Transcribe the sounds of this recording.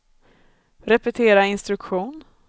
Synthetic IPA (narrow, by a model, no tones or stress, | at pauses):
ɾɛpɛt̪ʰeːɾaɪnst̪ɾɵkɧuːn